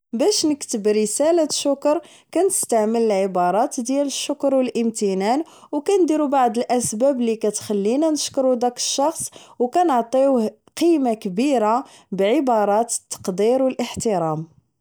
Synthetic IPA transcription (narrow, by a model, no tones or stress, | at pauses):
bæʃnəkt̪əbɾəsælaʃːʊkɾˤ | kænəst̪aʕmələlʕəbɑɾˤɑt̪d̪jæləʃːʊkɾwəlʔəmt̪ənæn | wkænd̪iɾubaʕd̪əlʔæsbæblikæt̪xælːinænəʃkɾud̪ækə̥ʃːɑxsˤwkænəʕt̪ˤi | qimakbiɾa | bʕəbɑɾˤɑt̪ə̥t̪ːɑ̥qd̪iɾwəlʔəħt̪əɾˤɑm